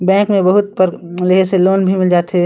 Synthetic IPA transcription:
bɛ̃ːkmẽbəɦʊt̪̚pəɾleɦeseloːnbʱimɪld͡ʒaːt̪ɦɛ

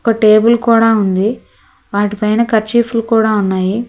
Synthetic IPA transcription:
ɔkɐʈeːbulkuːɽaːund̪i | ʋaːʈipɐjnɐkɐɾt͡ʃiːpʰulukuːɽaːunːaːji

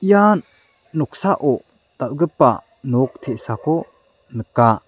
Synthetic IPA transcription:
ijanː | ɔk̚saʔɔ | d̪̥aʔɡəpːa̰ | nɔk̚t̪ʰeʔsakʰɔ | nəka

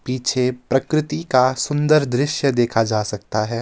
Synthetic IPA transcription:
piːt͡ʃʰepɾɐkɾɪt̪ikasʊ̃nd̪əɾd̪ɾɪʃjəd̪eːkʰad͡ʒaːsɐk̚t̪aɦɛː

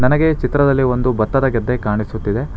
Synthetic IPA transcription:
nɐnɐɡe̞t͡ʃit̪ɾɐd̪ɐlːiʋo̞nd̪ubɐt̪ːɐd̪ɐɡɐd̪ːekaːɳisut̪ːid̪e̞

